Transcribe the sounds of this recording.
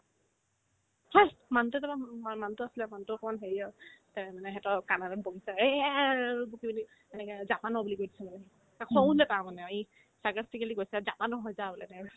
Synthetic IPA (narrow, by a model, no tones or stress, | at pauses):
hɔjmantɛtabaamantʊasilɛmantʊɔkɔmanɦeɹiɔtamanɛɦɛtɔkanadaboɡisae | bukibini | ɛnɛkɛzapanɔbulikojdi̥sʰɛmanɛ | akʰɔw̃lɛtamanɛai | sakastʰikalikɡojsɛzapanɔɦɔjzabɔlɛnɛ